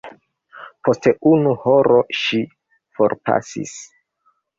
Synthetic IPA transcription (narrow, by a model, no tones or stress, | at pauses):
pʰo̞ste̞ʔunuho̞ɾo̞ʃi | fo̞ɾpa̰sḭs